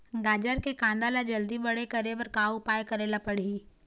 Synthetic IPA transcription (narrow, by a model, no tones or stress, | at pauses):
ɡaːd͡ʒəɾkekãːnd̪aːlad͡ʒɐld̪ibɐɽekɐɾebəɾkaːwupaːjkɐɾeːlapɐɽ̤iː